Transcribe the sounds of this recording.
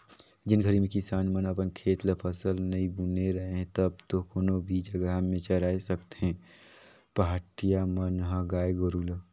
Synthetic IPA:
d͡ʒɪnɡʱəɾimẽkɪsaːnmənɐpənkʰeːt̪ləpʰəsəlnɐĩbuneɾɐɦeɦɛ̃t̪əb̚t̪okonobʱid͡ʒɐɡəɦmẽt͡ʃəɾaːesɐkt̪eɦɛ̃ː | paɦaːʈijamɐnɦãɡaːjɡoɾuːl

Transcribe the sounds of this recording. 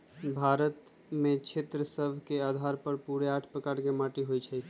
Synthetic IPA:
bʱaɾət̪ | met͡ʃʰet̪ɾəsəbʱkead̪ʱaɾpəɾpuɾeaʈʰpɾəkaɾkemaʈiɦojt͡ʃʰɛ

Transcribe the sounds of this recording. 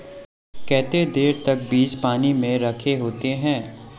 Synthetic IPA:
kɛːt̪ed̪eːɾt̪ɐk̚biːd͡ʒpaːnimẽɾɐkʰeɦoːt̪eɦɛ̃ː

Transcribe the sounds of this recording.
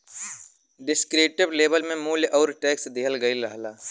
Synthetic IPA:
ɖɪskɾeːʈɪbleːbəlmẽmuːljʔɔːɾʈɛːksd̪ɪəlɡəilɐɦlaː

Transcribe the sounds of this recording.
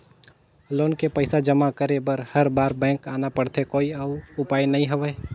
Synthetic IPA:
loːnkepəɪsad͡ʒəmakəɾebəɾhəɾbaːɾbɛ̃ːŋkaːnapəɽt̪ʰekoːiaʊʊpaːjnɐɦĩɦəʋɛ

